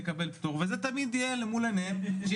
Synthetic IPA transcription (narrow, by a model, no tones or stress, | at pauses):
kabelpi̥t̪uʁvezet̪amid̪ijelemulenemʃe